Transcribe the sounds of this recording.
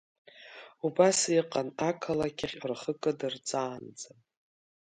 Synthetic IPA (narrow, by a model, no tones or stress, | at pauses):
ubasiqʼanakʰalakʲʼaχʲrχəkʼɨdɨrt͡sʼaːnd͡zam